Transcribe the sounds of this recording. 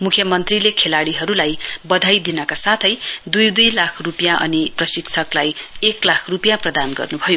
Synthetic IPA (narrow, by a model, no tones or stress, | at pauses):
mukʰjʌmʌnt̪rilekʰelaɽiɦʌɾulajbʌd̪ʱajd̪inʌkasat̪ʰʌjd̪ujd̪ujlakʰrupjãʔʌ̰niprʌsikt͡sʰʌklajeklakʰrupjãprʌd̪anɡʌ̰rnubʱʌjo